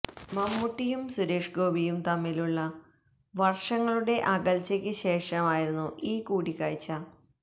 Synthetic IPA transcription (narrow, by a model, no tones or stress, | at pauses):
mɐmːuʈːijumsuɾe̞ːʂɡo̞ːbʱijumt̪ɐmːiluɭːɐ | ʋɐrʂɐŋːɐɭuɽe̞ʔɐɣɐlt͡ɕːɐkʲːɨɕe̞ːʂɐmaːjiɾunːuʔiːkuːɽikːa̰ːjt͡ɕːɐ